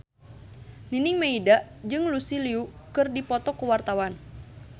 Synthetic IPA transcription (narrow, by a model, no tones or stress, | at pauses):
niniŋmeidaʔd͡ʒɨŋlusiliukɨrdipɔt̪ɔkəwart̪awan